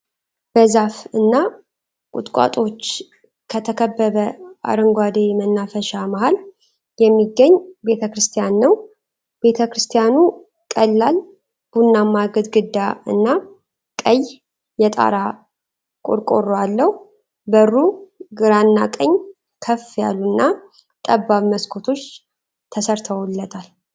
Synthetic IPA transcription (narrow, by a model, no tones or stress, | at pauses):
b̥əzafɨnːa | kʼʊ̰t̪ʼkʼa̰t̪ʼo̞t͡ʃː | kʰət̪ʰəkʰəbːəβəa̰ɾɨŋɡʷad̪emənːafəʃamahal | jɛmːiɡəɲːbe̞t̪ʰəkɾɨst̪ʰijanːəw | be̞t̪ʰəkɾɨst̪ʰijanu | kʼəlːal | b̥unːamːaɡəd̪ɡɨd̪ːaɨ̰nːa | kʼəj | jɛt̪ʼa̰ɾa | kʼo̰ɾkʼo̞rːoalːəh | bərːuɡɨɾanːakʼəɲː | kʰəfja̰lːunːa | kʼəbːaβməskʰo̞t̪ʰo̞t͡ʃː | t̪ʰəsəɾt̪ʰəwlːət̪ʰal